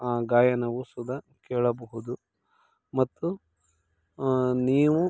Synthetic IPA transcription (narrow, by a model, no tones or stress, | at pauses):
aːɡaːjɐnɐʋusud̪ɐ | keːɭɐbɐɦud̪u | mɐt̪ːu | niːʋu